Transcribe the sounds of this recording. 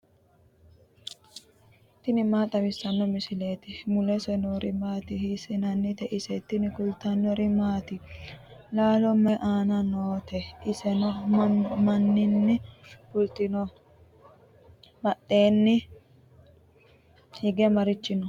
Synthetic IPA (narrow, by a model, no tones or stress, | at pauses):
t̪ːɪnɪmaːt̪ʼɐbɪsːɐnːɔmɪsɪle̞ːt̪ɪmʊlɛsɛnoɾɪmaːt̪ɪhɪsɪnɐnːɪt̪ɛʔɪsɛt̪ːɪnɪkʊlt̪ɐnːɔɾɪmaːt̪ɪ | laːlɔmɛʔaːnɐnoːt̪ʰɛɪsɛnɔmɐnːɪnːɪkʊlt̪ɪnɔ | mɐɗe̞ːnːɪ | hɪɡɛmɐɾɪt͡ʃːɪnɔ